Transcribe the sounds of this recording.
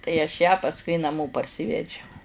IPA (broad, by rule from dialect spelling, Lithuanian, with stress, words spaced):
tɐɪ ɐʃ jæː pɐsˈkʊɪ nɐˈmoː pɐrʲˈsʲɪʋʲɛd͡ʒʲɛʊ